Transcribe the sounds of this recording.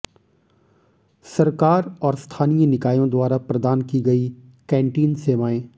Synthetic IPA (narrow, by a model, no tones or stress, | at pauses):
sɐɾkaːɾɔːɾst̪ʰaːnijənɪkaːjõd̪waːɾapɾɐd̪aːnkiɡɐi | kɛ̃ːɳʈiːnseːʋaːẽː